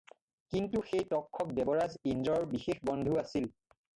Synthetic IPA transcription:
kintuxejtɔkʰːɔk̚bɛbɔɹazind͡ʒɔɹbixexbɔndʱuasil

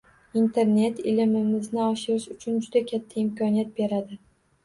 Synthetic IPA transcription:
int̪ʰe̞ɾne̞t̪ɪlɪmɪmɪznɪɒʃɪɾɪʃʊt͡ʃʰʊnd͡ʒʊd̪akʲʰat̪ʰːaɪmkʰɒnijat̪̚be̞ɾad̪ɪ

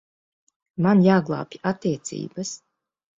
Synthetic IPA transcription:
manjaːɡlˠa̰ːpʲat̪ːiɛt̪sḭːbas

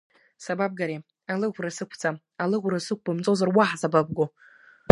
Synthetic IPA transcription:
sabab̚ɡaɾe | alɨʁʷrasɨkʷʰt͡sʰʼa | alɨʁʷrasɨk̚ʷʰbamt͡sʼozarwaħazabab̚ɡo

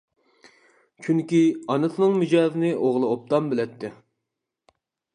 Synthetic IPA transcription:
t͡ʃʰyŋkʲiɑnɨt̪ʰɨnɨŋmɪd͡ʒɑːzɪnɪʔoʁlˠɨop̚t̪ʰɑmbɪlɛt̪ʰːɪ

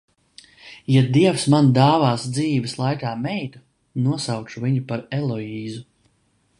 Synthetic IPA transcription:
jad̪iɛwsmand̪aːvaːsd̪ziːvəslˠajkaːmɛjt̪u | nuɔsawt͡ʃuviɲupaɾɛlˠɔiːzu

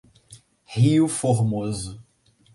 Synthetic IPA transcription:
hiufoɾmozʊ

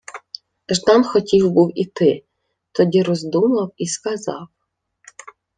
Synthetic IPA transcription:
ʒd̪ɑnxɔtʲiwbuwit̪ɪ | t̪ɔdʲiɾɔzd̪umɐwiskazɑ̰w

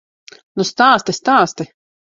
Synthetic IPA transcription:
nust̪aːst̪ist̪aːst̪ɪ

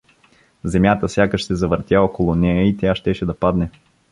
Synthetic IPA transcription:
zɛmʲjat̪əsʲjakəʃsɛzɐvəɾt̪ʲjaɔkolˠʊnɛɛit̪ʲjaʃt̪ɛʃɛd̪ɐpad̪nɛ

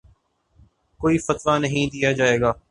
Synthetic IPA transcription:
koːifɐt̪ʋanɐɦĩd̪ijad͡ʒaːeːɡaː

